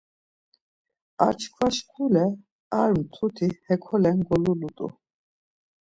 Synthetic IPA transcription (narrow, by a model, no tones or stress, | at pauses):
a̰ɾt͡ʃʰkʰvaʃkʰulɛ | aɾmt̪ʰut̪ʰihɛkʰɔlɛnɡɔlulut̪ʼṵ